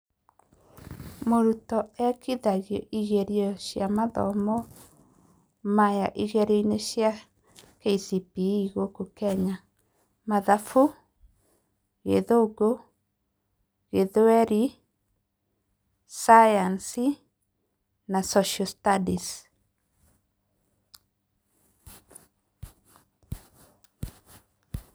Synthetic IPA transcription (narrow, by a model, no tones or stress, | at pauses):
moɾutɔɛkiðaɣjɔʔiɣeɾiɔɕjamaðɔ̰mɔ | majaʔiɣɛɾeineɕja | keisipiiɣokokɛɲa | maðafu | ɣeðoɡo | ɣeðɛɾi | sajansi | nasɔʃɔstadis